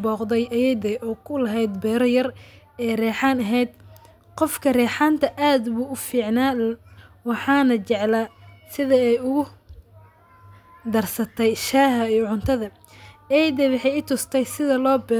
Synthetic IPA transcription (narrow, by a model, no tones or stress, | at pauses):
bɔːqd̪ɛjʔɐjd̪ɛʔɔːkʰʊlɐɦɛjd̪bɛːɾɔjɐr | ɛːrɛːħaːnɐɦɛjd̪ | qɔfkʰɐrɛːħaːnt̪ʰɐʔaːd̪buːʊfiːʕnaː | wɑħɑːnɐt͡ʃɛʕlasɪðɐɛjʊɣʊ | d̪ɐrsɐt̪ʰɛjʃaːɦɐijɔʕʊnt̪ʰɐðɐ | ɛjd̪ɛwɑħɛɪt̪ʰʊst̪ʰɛjsɪðɐlɔːbɛ